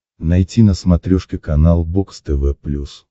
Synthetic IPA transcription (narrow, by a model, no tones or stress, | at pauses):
nɐjtʲinəsmɐt̪ɾʲoʂkʲɪkɐnalˠbokst̪ɛvɛplʲus